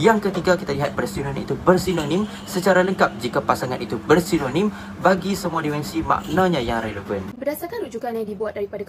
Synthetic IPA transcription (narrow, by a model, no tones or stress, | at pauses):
jaŋkət̪iɡakit̪aliɦat̪̚bərsinonĩit̪ubərsinonĩm | sət͡ʃaɾaləŋkap̚d͡ʒikapasaŋanit̪ubərsinonĩm | baɡisəmuadimɛnsima̰ʔnãɲãjaŋɾajdəɡənbərdasarkanud͡ʒukanjadibuwat̪̚daɾipadak